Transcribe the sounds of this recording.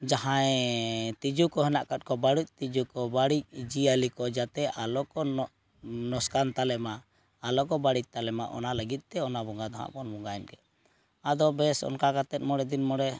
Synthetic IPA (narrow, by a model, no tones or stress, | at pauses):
d͡ʒaɦajt̪id͡ʒukɔɦɛnaʔkat̪̚kɔbaɽuc̚t̪id͡ʒukɔbaɽic̚d͡ʒialikɔd͡ʒat̪ɛʔalɔkɔ | nɔskant̪alɛmaː | lɔkɔbaɽic̚ˀt̪alɛmaʔɔ̰naləɡit̪̚ˀt̪ɛɔnabɔŋɡad̪aɦa̰ʔbɔnbɔŋɡaɛnkɛ | ad̪ɔbɛsɔ̰nkakat̪ɛt̪̚mɔɽɛd̪inmɔɽɛ